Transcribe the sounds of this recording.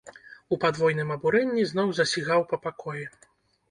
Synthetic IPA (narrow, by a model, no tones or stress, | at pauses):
upad̪vɔjnɨmɐbuɾɛnʲːiznɔwzɐsʲiɣawpɐpakɔjɛ